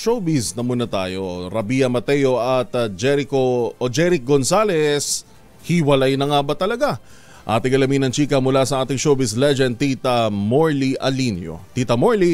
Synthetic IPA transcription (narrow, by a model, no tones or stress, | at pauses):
ʃobisnɐmuːnɐt̪a̰ːjo̞ɾɐbijɐmɐt̪ɛjo̞ʔɐt̪̚d͡ʒɛɾɪkood͡ʒɛɾɪk̚ɡonsalɛs | hiwɐlajnɐŋabɐt̪ɐlɐɡa | ʔa̰ːt̪ɪŋɐlɐminɐŋt͡ʃiːkɐmʊlasɐʔaːt̪ɪŋʃowbɪslɛd͡ʒɛnd̪̚it̪ɐmoɹliʔɐ̰linjo̰t̪it̪ɐmoɹli